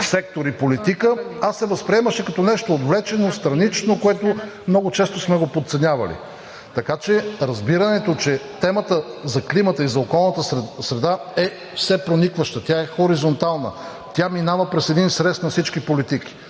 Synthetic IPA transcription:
sɛk̚t̪oɾipolit̪ikəasːɛvɐspɾiɛməʃɛkɐt̪ɔnɛʃt̪oːd̪vlɛt͡ʃɛnost̪ɾɐnit͡ʃnokoɛt̪omnɔɡʊt͡ʃɛst̪osmɛɡopot̪t̪sɛnʲjavɐ̰lḭ | t̪ɐkat͡ʃɛɾɐzbiɾɐnɛt̪ot͡ʃɛt̪ɛmət̪əzɐklimət̪əizɐokɔlˠnət̪əsɾɛd̪aɛ | fsɛpɾonikvəʃt̪ət̪ʲaɛxoɾizont̪alˠnə̰ | t̪ʲjaminavɐpɾɛsɛd̪insɾɛst̪nɐfsit͡ʃkipolit̪iki̥

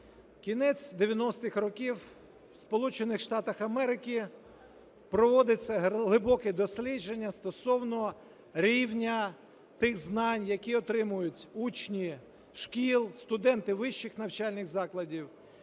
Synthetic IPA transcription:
kʲinɛt͡sʲd̪eʋʲjɐnɔst̪ɪxɾɔkʲiw | spɔlˠut͡ʃenɪxʃt̪ɑt̪ɐxɐmɛɾɪkʲi | pɾɔʋɔd̪ɪt͡sʲːɐɦlˠɪbɔkɛd̪ɔsʲlʲid͡ʒenʲːɐst̪ɔsɔwnɔ | ɾʲiwnʲɐ | t̪ɪɣznɑnʲjɐkʲiɔt̪ɾɪmʊjʊtʲut͡ʃnʲi | ʃkʲilˠst̪ʊd̪ɛnt̪ɪʋɪʃːɪxnɐwt͡ʃɑlʲnɪɣzɑklˠɐdʲiw

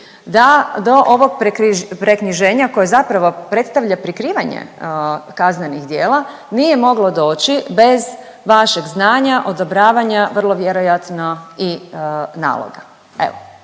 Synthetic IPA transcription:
d̪ad̪o̞ʔoʋo̞ɡpɾkɾipɾekniʒe̞ːɲako̞jezapɾaʋo̞pɾe̞t̪st̪aʋʎapɾikɾiːʋaɲḛkazneniɣd̪jeːlˠa | nije̞mo̞ɡlo̞d̪o̞ːt͡ɕibe̞z | ʋaʃeɡznaːɲaʔo̞d̪obɾaːʋaɲaʋr̩lˠo̞ʋjeɾo̞jat̪noina̰ːlo̰ɡa | ḛʋo

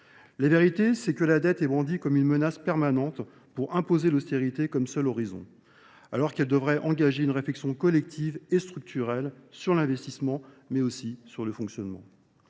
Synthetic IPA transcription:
laveʁit̪esɛkəlad̪ɛt̪ɛbʁɑ̃d̪ikɔmynmənaspɛʁmanɑ̃t̪ | puʁɛ̃pozelost̪eʁit̪ekɔmsœlɔʁizɔ̰̃ | alɔʁkɛld̪əvʁɛʔɑ̃ɡaʒeynʁeflɛksjɔ̃kɔlɛk̚t̪ʰivest̪χyk̚t̪ʰyʁɛlsyʁlɛ̃vɛst̪ismɑ̃ | mɛosisyʁləfɔ̃ksjɔnmɑ̰̃

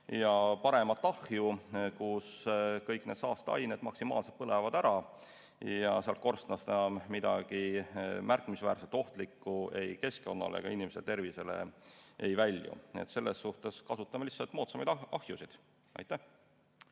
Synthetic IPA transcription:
jɑpɑɾemɑt̪ːˑɑhjukuskɤjkːˑne̞ːt̪sɑːst̪ɑɑ̰jned̪mɑksimɑ̰ːlse̞lt̪̚pɤlevɑd̪æɾɑ | jɑseɑlt̪̚ko̞rst̪nɑst̪enɑmmid̪̥ɑ̰ɡ̥imærkːˑmisvæːrselt̪o̞ht̪likːˑue̞jke̞sko̞̰nːɑ̰lḛɡ̥ɑ̰inimeselt̪e̞rvise̞le̞̰e̞jvælʲjṵḛt̪se̞lːe̞sːuht̪e̞skɑsut̪ˑːɑmelihsːɑlt̪mo̞ːt̪sɑmɑjd̪ɑhjusid̪̥ | ʔɑ̰jt̪ːæh

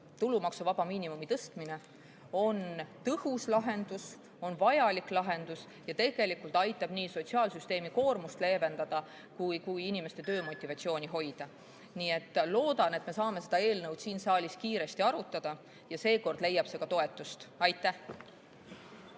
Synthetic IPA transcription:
t̪ulumɑksuvɑb̥ɑmiːnimumit̪ɤst̪mine̞ | o̞nt̪ɤhuslɑɦe̞nd̪̥us | o̞nvɑjɑliklɑɦe̞nd̪̥us | jɑt̪e̞ɡ̥e̞likult̪ɑjt̪ːˑɑb̥niːso̞t̪ʲsiɑːlsyst̪e̞ːmiko̞ːrmust̪le̞ːve̞nd̪̥ɑd̪̥ɑ | kujkujinime̞st̪e̞t̪ø̞ːmo̞t̪ʲːˑivɑt̪sio̞ːnʲiɦo̞jd̪̥ɑ | niːe̞t̪ːˑlo̞ːd̪̥ɑne̞t̪me̞sɑːme̞se̞d̪̥ɑe̞ːlnɤwd̪siːnsɑːlʲiskiːɾe̞st̪iɑɾut̪ːˑɑd̪̥ɑ | jɑse̞ːko̞rd̪le̞jːɑb̥se̞ɡ̥ɑt̪o̞e̞t̪ːˑust̪ɑjt̪ːˑæh

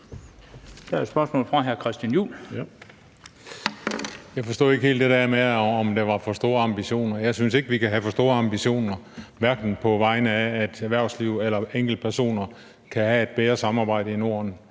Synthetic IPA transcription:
d̥æɐsb̥ɶɐsmɔ̰ːlfʁɑ̈ɦæɐkʰʁɛsd̥jænjṵːl | jɑ̈ɪfɒ̽sd̥ɔ̰ːe̝ɡ̥hḛːld̥e̝d̥æɐ̰meɒmd̥eʋɑ̈fɒ̽sd̥o̝̰ːɐɑ̈mb̥iɕo̝̰ːnɐjɑ̈ɪsynse̝ɡ̥əʋikʰæɦæfɒ̽sd̥o̝̰ːɐɑ̈mb̥iɕo̝̰ːnɐ | ʋæɐɡ̥n̩pʰɒ̽ʋɑ̈ɪnəæːd̥æʋæɐʊsliʊ̰elɐeŋ̰ɡ̥l̩d̥̚pʰæɐso̝̰ːnɐ | kʰæhæe̝d̥̚b̥eðɐsɑ̈mɑ̈ːb̥ɑ̈ɪ̰ɾəino̝ːɐn

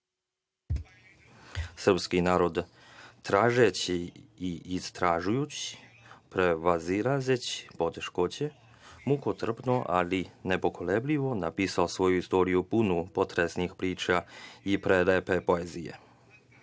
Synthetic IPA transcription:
sr̩pskinaːɾo̞d̪ | t̪ɾaːʒet͡ɕiː | st̪ɾaʒujut͡ɕi̥ | pɾeʋaziɾazet͡ɕi̥po̞t̪eʃko̞t͡ɕe | mukot̪r̩pnoʔa̰linepo̞koleblʲiʋo̞napiːsaosʋo̞juist̪o̞ːɾijupunupo̞t̪ɾesnixpɾiːt͡ʃaipɾelepepo̞eːzijḛ

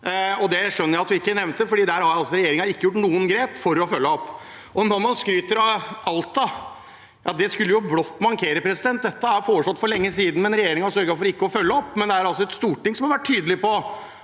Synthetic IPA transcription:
ɔd̪ɛʂœnːəɾjæɪɑt̪̚d̪ʉɪkːənɛʋnt̪d̪əfɔɖiːd̪æːɾhɑɾjæɑlsɔɾɛjeːɾɪŋɑɪkːəjʊʈ̬ːnuːənɡɾeːpfɔɾɔfœlːəɔpː | ʔɔnɔɾmɑnskɾyːt̪əɾɑɑlt̪ːɑ | jɑd̪ɛskʉlːəjʊbɽɔt̪ːmɑɾkʰeːɾəpʰɾɛsɪd̪ɛnt̪̚d̪ɛt̪ːəæɾfoːɾəʂɔt̪ːfɔɾɭɛŋːəsiːd̪n̩mɛnɾɛjeːɾɪŋɑsœɾɡəfɔɾɪkːəɔfœlːəɔpːmɛnd̪ɛæɾɑls̬ɔɛt̪st̪uːʈːɪŋsɔmhɑɾʋæʈʰːyːd̪əlɪpɔ

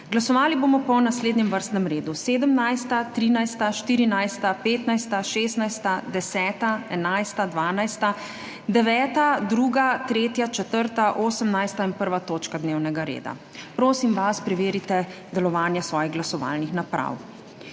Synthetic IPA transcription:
ɡlasɔʋaːliboːmɔpɔnasleːd̪ɲɛmʋəɾst̪nɛmɾeːd̪useːd̪əmnajst̪at̪ɾiːnajst̪aʃt̪iːɾinajst̪apeːt̪najst̪aʃeːst̪najst̪ad̪ɛsɛːt̪aɛnajst̪ad̪ʋaːnajst̪a | d̪ɛʋɛːt̪ad̪ɾuːɡat̪ɾeːt̪jat͡ʃɛt̪əɾt̪aʔoːsəmnajst̪ainpəɾʋat̪oːt͡ʃkad̪neːwnɛɡaɾḛːd̪a̰ | pɾoːsimʋaspɾɛʋeːɾit̪ɛ | d̪ɛlɔʋaːnjasʋɔːjiɣɡlasɔʋa̰ːlnixnapɾa̰w

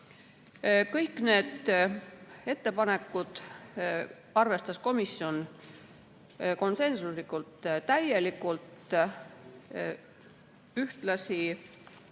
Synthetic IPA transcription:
kɤjkːˑne̞ːd̪̥ | e̞t̪ːe̞pɑne̞kːˑud̪̥ | ɑrve̞st̪ɑsko̞misjo̞n | ko̞nse̞nsuslikˑult̪ːt̪ːæje̞likːˑult̪ | yht̪lɑsi

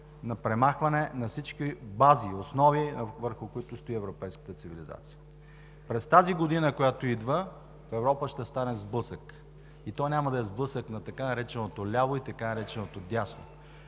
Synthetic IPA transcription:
nɐpɾɛmaxvɐnɛnɐfsit͡ʃkibaziosnɔvivəɾxʊkʊit̪ʊst̪oiɛvɾopɛjskə̥t̪ət̪siviliza̰t̪si̥jə | pɾɛst̪aziɡod̪inəkojat̪oid̪və | fɛvɾɔpəʃt̪ɛst̪anɛzblˠɤsək | it̪ɔnʲamɐd̪ɐɛzblˠɤsəknɐt̪ɐkanɐɾɛt͡ʃɛnot̪olʲaloit̪ɐkanɐɾɛt͡ʃɛnot̪od̪ʲasno̰

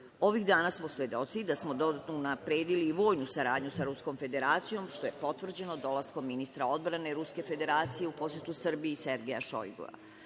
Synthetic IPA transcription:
o̞ʋixd̪aːnasmo̞sjed̪o̞t̪sid̪asmo̞d̪o̞d̪at̪nounapɾeːd̪iliːʋo̞ːjnusaɾaːd̪ɲusaɾusko̞mfe̞d̪e̞ɾaːt̪sijo̞mʃt̪o̞je̞po̞t̪ʋr̩d͡ʑe̞nod̪o̞lasko̞mːinist̪ɾao̞d̪bɾane̞ɾuske̞fe̞d̪e̞ɾaːt̪sije̞upo̞sje̞t̪usr̩biise̞ɾɡʲejaʃo̰jɡo̰ʋa̰

